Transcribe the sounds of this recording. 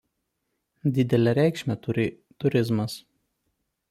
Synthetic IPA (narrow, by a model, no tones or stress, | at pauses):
d̪ʲɪd̪ʲɛlʲɛɾʲæˑɪkʃʲmʲɛt̪ʊɾʲɪ | t̪ʊɾʲɪzmɐs